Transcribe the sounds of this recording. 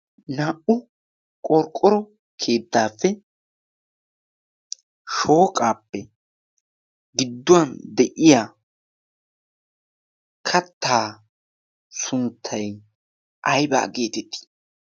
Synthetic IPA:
naːʔʊ | kʼɔɾkʼːɔɾɔ | kʰeːd̪ːaːfːɛ | ʃo̞ːkʼaːpːɛ | ɡɪd̪ːʊwɐnd̪ɛʔɪjaː | kʰɐt̪ʰːaː | sʊnt̪ʰːɐj | ʔɐjba̰ːɡe̞ːt̪ɛt̪ːi̥

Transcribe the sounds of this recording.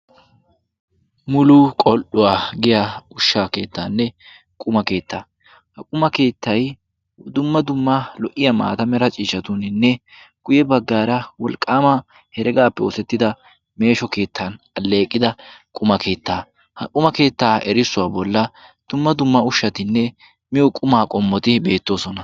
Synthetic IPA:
mʊlukʼɔlʔʊwaːɡɪjaʊʃːake̞ːt̪ːaːnːɛ | kʼʊmɐke̞ːt̪ːaː | hɐkʼʊmɐke̞ːt̪ʰːɐj | d̪ʊmːɐd̪ʊmːɐlɔʔɪjɐma̰ːt̪ɐmɛɾɐt͡ʃʼiːʃɐt̪ʊnɪnːɛ | ɡ̥ʊjɛbɐɡːaːɾɐwɔlkʼːaːmɐ | hɛɾɛɡaːpːɛosɛt̪ːɪd̪ɐ | me̞ːʃɔke̞ːt̪ʰːan | ɐlːeːkʼːɪd̪ɐkʼʊmɐkʰe̞ːt̪ːaː | hɐkʼʊmɐke̞ːt̪ːaːɛɾɪsːʊwaːbɔlːɐd̪̥ʊmːɐd̪ʊmːɐʊʃːɐt̪ɪnːɛ | mɪjɔkʼʊmaːkʼɔmːɔt̪ɪbe̞ːt̪ːo̞ːsɔnɐ

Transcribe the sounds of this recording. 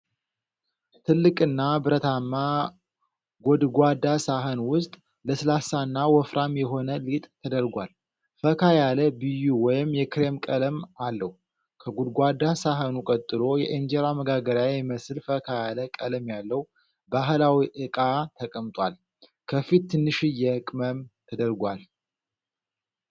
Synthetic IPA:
t̪ʰɨlːɨkʼɨnːabɨɾət̪ʰamːa | ɡod̪ɡʷad̪asaɦənwʊst̪ʼ | ləsɨlasanːawɔfɾʔamjɛɦo̞nəlit̪ʼt̪ʰəd̪əɾɡʷal | fəkʰajaləbɨjuwɔjɪmjɛkʰɾe̞mkʼələmalːəhu | kʰəɡod̪ɡʷad̪ːasaɦənukʼət̪ʼːɨlo̞jɛʔind͡ʒeɾaməɡaɡəɾjaɛməsɨlfəkʰajaləkʼələmjalːəw | baɦlawiʔɨkʼat̪ʰəkʼəmt̪ʼwal | kʰəfit̪ːɨnːɨʃɨjːɛkʼməmt̪ʰəd̪əɾɡʷal

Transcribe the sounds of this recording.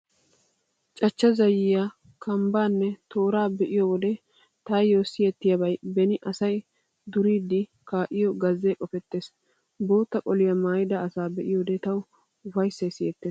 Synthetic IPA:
t͡ʃʼɐt͡ʃːɐzɐjɪja | kʰɐmbaːnːɛt̪o̞ːɾaːbɛʔɪjɔwɔd̪ɛ | t̪ajjoːsɪjɛt̪ːɪjɐbɐjbɛnɪʔɐsɐj | d̪ʊɾiːd̪ɪ | kaːʔɪjɔɡɐzːekʼɔfɛt̪ːe̞ːs | bo̞ːt̪ːɐkʼɔlɪjɐmaːjɪd̪ɐːsaːbɛʔɪjɔd̪ɛt̪ɐw | fɐjsːɐjsɪjɛt̪ːeːs

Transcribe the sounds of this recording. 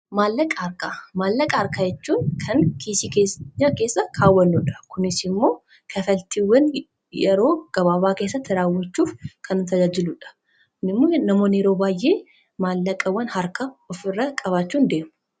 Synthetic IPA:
maːlːɐkʼɐɐɾkaːmaːlːɐkʼɐɐɾkaːjɛt͡ʃːuːnkʰɐŋkʰiːsikeːsɲaːkeːsːɐkʰaːwːɐnːuːᶑɐ̥kʰʊnɪsɪmːo̞ː | kʰɐfɐlt̪ɪwːɐn | jɛɾo̞ːɡ̥ɐβaːbaːke̞ːsːɐt̪ːɪɾaːwːɐt͡ʃːuːfkʰɐnːʊt̪ɐd͡ʒaːd͡ʒɪlʊᶑɐ̥ | kʊnɪmːoːnɐmoːneɾo̞ːbaːjʔe̞ː | maːlːɐkʼːɐwːɐnhɐɾkɐɔfɪrːɐkʼɐβaːt͡ʃːuːnd̪e̞ːmʊ̥

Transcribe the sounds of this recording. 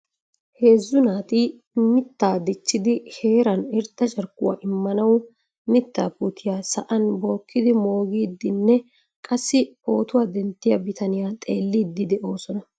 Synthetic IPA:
he̞ːzːʊnaːt̪iː | mɪt̪ːaːd̪ɛt͡ʃːɪd̪ɪhe̞ːɾɐnɪɾd̪ɐʃʼɐɾkːʊwa̰ːʔɪmːɐnɐw | mɪt̪ːaːpuːt̪ʰɪjaːsɐʔɐnbo̞ːkːɪd̪ɪmo̞ːɡiːd̪ːɪnːɛ | kʼɐsːɪpo̞ːt̪ʊwaːd̪ɛnt̪ːɪjɐbɪt̪ɐnɪjaːt̪ʼe̞ːlːiːd̪ːɪd̪ɛʔo̞ːsɔnɐ

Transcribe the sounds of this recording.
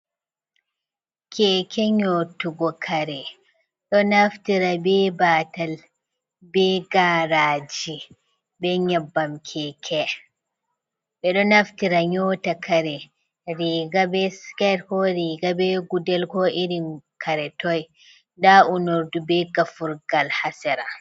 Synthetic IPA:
kʰɛːkʰɛɲoːtuɡɔkʰaɾɛ | ɗɔnaftiɾabɛbaːtal | bɛɡaɾaːd͡ʒi | bɛɲabːamkʰɛːkʰɛ | ɓɛɗɔnaftiɾaɲɔtakʰaɾɛ | ɾiɡabɛskaɾkɔɾiːɡabɛɡudɛlkɔʔiɾinkʰaɾɛtɔj | daunoɾdubɛɡafuɾɡalhasɛɾa

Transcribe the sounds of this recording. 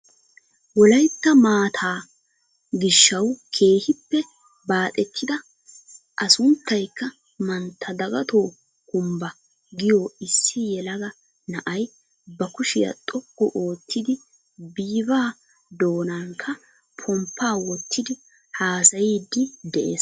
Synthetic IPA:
wɔlɐjt̪ːɐmaːt̪ʰaː | ɡɪʃːɐwkʰe̞ːhɪpːɛ | baːt̪ʼɛt̪ʰːɪd̪ɐ | ʔɐsʊnt̪ːɐjkːɐ | mɐnt̪ʰːɐd̪ɐɡɐt̪oː | kʊmbɐ | ɡɪjoːɪsːɪjɛlɐɡɐ | nɐʔɐj | bɐkʊʃɪjɐ̰t̪ʼɔɡːɔʔo̞ːt̪ʰːɪd̪ɪ | biːbaː | d̪o̞ːnaŋkʰːɐ | pʰɔmpːaːwɔt̪ʰːɪd̪ɪ | haːsɐjiːd̪ːɪd̪ɛʔḛːs

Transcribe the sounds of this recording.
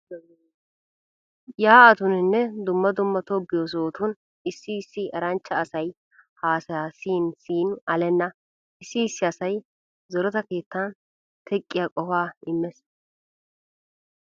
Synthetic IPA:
jaːɐt̪ʊnɪnːɛd̪ʊmːɐd̪ʊmːɐt̪obɪjos̬oːt̪ʊn | ɪsːɪːsːɪɛɾɐnt͡ʃːɐːsɐj | haːsaːsiːnsiːnɐlɛnːɐ | ɪsːɪːsːɪɐsɐj | zɔɾɔt̪ɐke̞ːt̪ːan | t̪ʰɛkʼːɪjakʼɔfaːɪmːɛs

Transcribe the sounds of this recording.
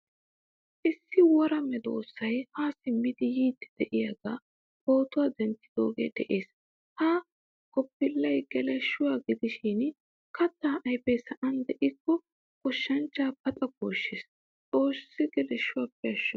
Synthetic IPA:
ʔɪsːɪwɔɾɐmɛd̪o̰ːsːɐjhaːsɪmːɪd̪ɪjiːt̪ːɪ̥d̪̥ɛʔɪjɐɡa | o̞ːt̪ʊwaːd̪ɛnt̪ːɪ̥d̪̥o̞ːɡḛːd̪ɛʔe̞ːs | ha | kɔpːɪlːɐjɡɛlɛʃːʊwaːɡɪd̪ɪʃɪn | kɐt̪ːaːʔɐjpɛjsɐʔɐnd̪ɛʔɪkːɔ | kɔʃːɐnt͡ʃːaːpɐt̪ʼɐɡoːʃːeːs | t͡sʼo̞ːsːɪɡɛlɛʃːʊwapːɛɐʃːɔ

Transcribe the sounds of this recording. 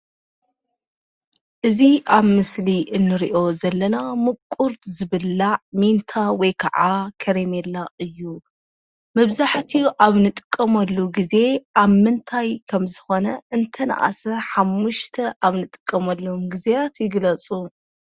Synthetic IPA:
ʔɨziʔaβmɨsliʔɨnːɨɾiʔo̞zɐlːɐnamɨkʼːuɾt̪zɨβɨlːaʕmint̪ʰawɔjkʰaʕakʰɐɾemelːaʔɨjːu | mɐβzaħt̪ʰiʔaβnɨt̪ʼɨ̥kʼːɐmɐlːuɡize̞ʔaβmɨnt̪ʰajkʰɐmzɨxo̞nɐʔɨnt̪ʰɐna̰ʔa̰sɐħamːuʃt̪ʰɐʔaβnɨt̪ʼɨ̥kʼːɐmɐlːuumɡizewat̪jɪɡlɐt͡sʼu

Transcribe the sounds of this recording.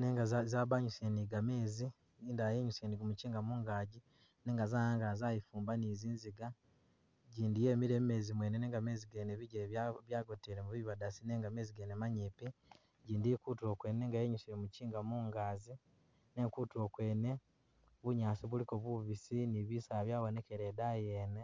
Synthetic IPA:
neŋɡazzaːβaɲuseniɡame̞ːzi | iːndaːjeɲusieniɡumuciːŋɡamuːŋɡaːɟi | ne̞ːŋɡazaːjaːŋɡazaːjifuːmbaniziːnziɡa | ɟiːndijeːmiɾe̞ːme̞zimweneneːŋɡame̞ːziɡeneβiɟeββjaːɡoteɾemuβiβadasine̞ːŋɡame̞ːziɡenemaɲiːpi | ɟiːndiekutuo̞kwe̞ːne̞ːŋɡajeɲusiɾemuciːŋɡamuːŋɡaːzi | ne̞kutuo̞kwe̞ːne̞ | βuɲaːsiβuliko̞βuβisiniβisaβjaːβone̞keɾedajeːne

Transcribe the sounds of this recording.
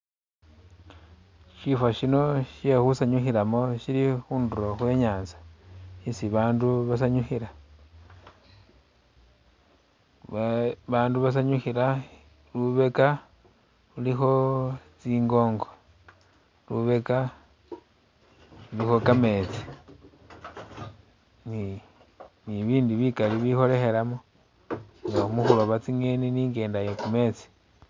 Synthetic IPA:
ʃifwaʃino̞ʃexusaɲuxiɾamo̞ʃilixuːnduɾoxwe̞ːɲaːnzḁisiβaːnduβasaɲuxiɾa | βaːnduβas̬aɲuxiɾa | luβe̞ka | lulixo̞t͡siːŋɡo̞ːŋɡo̞ | luβe̞ka | lulixo̞kame̞t͡si̥ | ni | niβiːndiβikaliβixo̞le̞xe̞lamo | ŋɡaumuxulwoβat͡siŋeniniːŋɡe̞ːndajekume̞ːt͡si̥

